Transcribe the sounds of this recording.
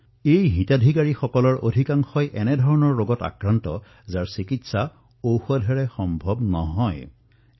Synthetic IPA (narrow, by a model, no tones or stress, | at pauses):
ejɦitadʱikaɹixɔkɔlɔɹʔo̰dʱikaŋxɔjʔɛnɛdʱɔɹɔnɔɹːoɡɔta̰kɹantɔ̰ | zaɹsikitsa | owxɔdʱɛɹɛxɔmbʱɔbnɔɦɔj